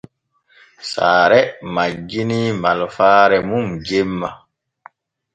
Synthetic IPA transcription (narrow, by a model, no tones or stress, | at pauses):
sa̰ːɾɛmad͡ʒːinimalɔfaːɾɛmumd͡ʒemːa